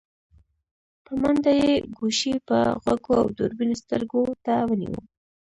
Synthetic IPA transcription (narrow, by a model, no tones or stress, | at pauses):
pəmand̪ajeɡuʃipə̰ɣakoa̰wd̪oɾbinost̪əɾɡot̪awənḭwə̰